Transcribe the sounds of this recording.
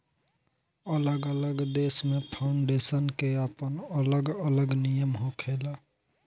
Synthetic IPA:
ələɡələɡd̪eːsmẽpʰaʊɳɖeːsənkeəpənələɡələɡnijəmɦokʰela

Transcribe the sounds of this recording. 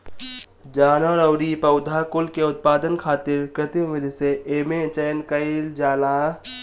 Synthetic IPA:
d͡ʒaːnəɾəʊɾipəʊd̪ʱakʊlkeʊt̪̚paːd̪ənkʰaːt̪ɪɾkɾɪt̪imʋɪd̪ʱseeːmet͡ʃəjnkəɪld͡ʒaːla

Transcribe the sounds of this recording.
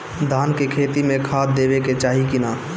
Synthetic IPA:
d̪ʱaːnkekʰeːt̪imẽkʰaːd̪̚d̪eːbeket͡ʃaːɦikina

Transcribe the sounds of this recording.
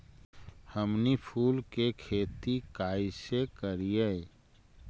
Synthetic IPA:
həmnipʰuːlkekʰeːt̪ikaːisekəɾije

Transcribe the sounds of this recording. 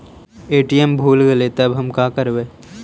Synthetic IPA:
eːʈijembʱuːlɡɐlet̪ɐbɦɐmkaːkɐɾʋeː

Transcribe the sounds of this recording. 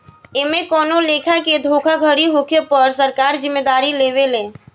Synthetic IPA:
emẽkɔnolekʰaked̪ʱokʰaɡʱəɾiɦokʰepəɾsəɾkaɾd͡ʒimːed̪aɾileʋelẽ

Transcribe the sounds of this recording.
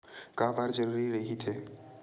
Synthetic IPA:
kaːbaːɾd͡ʒɐɾuːɾiɾɐɦit̪ʰeː

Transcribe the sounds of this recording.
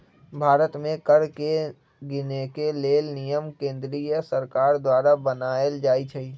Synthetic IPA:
bʱaːɾət̪mẽkəɾke | ɡɪnekeleːlnijəmkẽːnd̪ɾijəsəɾkaːɾd̪waːɾabənaːəld͡ʒaːit͡ʃʰəiː

